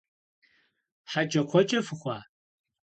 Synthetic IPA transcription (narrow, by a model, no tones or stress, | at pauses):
ħat͡ʃʼɐkʷʰɔt͡ʃʼɐfɨxʷa